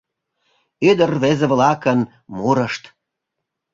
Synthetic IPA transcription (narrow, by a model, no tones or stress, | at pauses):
yd̪ərvezeβlɑkən | muɾəʃt̪